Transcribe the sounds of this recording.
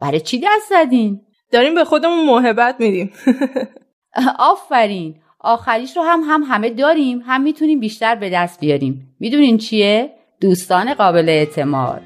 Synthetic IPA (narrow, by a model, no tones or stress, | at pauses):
bæɾet͡ʃʰid̪æst̪zæd̪iːn | d̪̥ɒːɾiːmbe̞xod̪e̞munmoɦe̞bːæt̪̚ʰmid̪iːm | ʔɒːfːæɾiːn | ʔɒːxæɾiːʃɾoɦæmɦæmɦæme̞d̪ɒːɾiːmɦæmːiːt̪ʰuniːmbiːʃt̪æɾbe̞d̪æst̪̚bijɒːɾiːmːid̪uniːnt͡ʃʰie | d̪̥uːst̪ɒːne̞ɣɒːbe̞leːt̪ʰe̞mɒ̰ːd̪̥